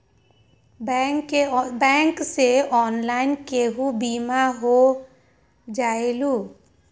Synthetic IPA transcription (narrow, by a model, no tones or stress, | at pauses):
kebɛ̃ːŋkseɔːnlaːɪnkeɦubiːmaɦo | d͡ʒaːeluː